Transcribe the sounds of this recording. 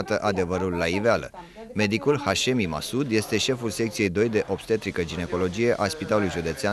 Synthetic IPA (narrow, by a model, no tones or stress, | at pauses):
at̪əʔad̪e̞vəɾulːaivealə̰ | me̞d̪ikulhaʃe̞mima̰sud̪je̞st̪e̞ʃe̞fulse̞k̚t̪sie̞jd̪o̞jd̪e̞ʔo̞pst̪et̪ɾikəd͡ʒine̞ko̞lo̞d͡ʒije̞ʔaspit̪alulujʒud̪e̞t̪sea